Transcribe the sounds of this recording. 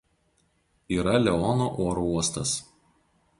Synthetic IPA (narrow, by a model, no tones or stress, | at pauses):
iːɾɐlʲɛɔnoːʔoːɾouɔst̪ɐs